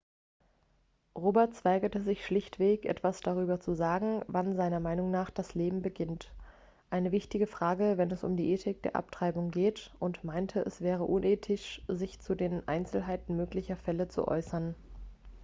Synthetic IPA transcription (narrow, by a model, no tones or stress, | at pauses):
ʁoːbɛɐtt͡sv̥aɪɡɐtəzɪçʃlɪçtv̥eːçʔɛ̰tv̥asd̥aʁ̞yːbɐt͡suzaːɡŋ̩vanzaɪnɐmaɪnʊŋnaːχd̥asleːbm̩bəɡɪnt | ʔaɪnəvɪçtɪɡəfʁ̥aːɡəvɛnɛsʊ̰mdiːʔeːtʰɪk̚d̥ḛːɐʔa̰p̚tʁ̥aɪbʊŋɡeːtʔʊntmaɪntʰəʔɛsv̥ɛːʁ̞əʔʊnʔeːtʰɪʃzɪçt͡sudeːnʔa̰ɪnt͡sl̩ɦaɪtn̩møːklɪçɐfɛlət͡sṵʔɔ̰ʏsɐn